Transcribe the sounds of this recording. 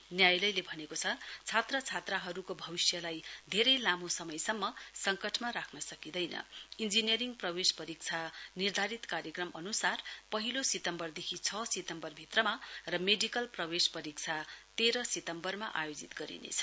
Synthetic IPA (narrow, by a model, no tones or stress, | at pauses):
njajlʌjlebʱʌnekot͡sʰʌt͡sʰat̪rʌt͡sʰat̪raɦʌɾukobʱʌbisjʌlajd̪ʱeɾʌjlamosʌmʌjsʌmːʌsʌŋkʌʈʰmaɾakʰnʌsʌkid̪ʌjnʌ̰ind͡zinijʌɾiŋɡprʌbespʌɾik̚t͡sʰanird̪ʱaɾit̪kaɾjʌkrʌmʔʌnusarpʌɦilosit̪ʌmbʌrd̪ekʰit͡sʰʌset̪ʌmbʌrbʱit̪rʌmarʌmeɖikʌlprʌwespʌɾik̚t͡sʰat̪eɾʌset̪ʌmbʌrmaʔa̰jod͡zit̪ɡʌɾḭnḛt͡sʰʌ̥